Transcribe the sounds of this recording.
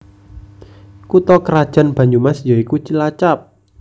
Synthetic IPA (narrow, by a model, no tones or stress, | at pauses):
kut̪ɔkəɾad̥ʒ̥a̤nb̥a̤ɲd͡ʒumasd͡ʒɔikut͡ʃilat͡ʃap̚